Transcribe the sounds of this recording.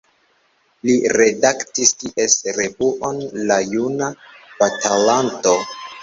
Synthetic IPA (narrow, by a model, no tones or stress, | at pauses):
liɾe̞daktistiʔe̞sɾe̞buʔo̞nlajunabatʰalanto̞